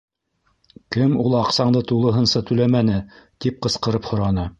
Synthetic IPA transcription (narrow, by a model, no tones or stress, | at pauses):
kɘmulˠɑqsɑɴd̪ɤt̪ulˠɤ̆ɦɤ̆nsɑt̪ɵ̆læmænɘt̪ip̚qɤ̆sqɤ̆ɾɤphŏɾɑnɤ